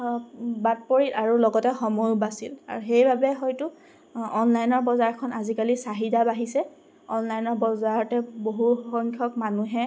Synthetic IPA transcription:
bat̚poɹitaɹulɔɡɔtɛxɔmɔjbasila̰ɹuxejbabɛxɔjtu | ɔnlajnɔɹbɔzaɹkʰɔnazikalisaɦidabaɦisɛ | ɔnlajnɔɹbɔzaɹɔtɛboɦuxɔŋkʰɔk̚manuɦɛ

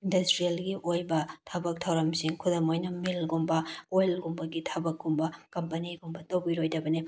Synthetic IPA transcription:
indɐstɾielɡiʔojbɐtʰɐbɐk̚tʰɐwɾɐmsiŋkʰudɐmojnɐmilɡumbɐojlɡumbɐɡitʰɐbɐkːumbɐkɐmpɐniɡumbɐtɐwbiɾojdɐbɐni

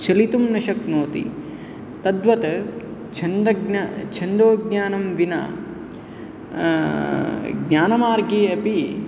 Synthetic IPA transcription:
t͡ʃɐlit̪umnɐʃɐknoːt̪ḭ | t̪ɐd̪ʋɐt̪ɐt͡ʃʰɐnd̪ɐɡat͡ʃʰɐnd̪oːɡɲaːnɐmʋinɐ̰ | ɡɲʲaːnɐmaːɾɡeːɐpi

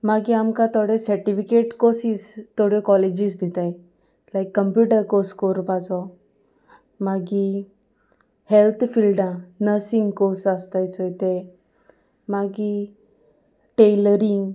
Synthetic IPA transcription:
maɡiamkat̪ɔɽesəɾʈifikeʈkosist̪oɽjɔkɔled͡ʑisd̪it̪aj | lajkːəmpjuʈəɾkoskoɾpat͡sɔ | maɡi | helt̪ʰfilɖãnəɾsĩŋɡkosəst̪ajt͡səjt̪e | maɡi | ʈeləɾiŋɡ

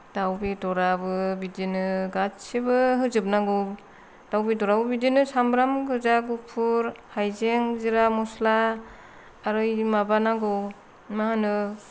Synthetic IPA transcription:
d̥awbidɔɾabɯbidinɯɡat͡ʃebɯɦɯzɯp̚naɡɯw | d̥awbidɔɾabɯbidinɯsambɾamɡɯzaɡupʰuɾhajzeŋziɾamuslaː | ɾɯjmabanaɡɯw | maɦanɯ

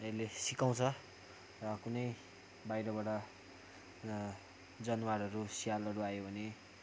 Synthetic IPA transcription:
elesikaw̃t͡sʰʌ | rʌkunʌj | bajɾʌbaɽʌ | d͡zʌnwaɾʌɾusijalʌɾuajobʱʌne

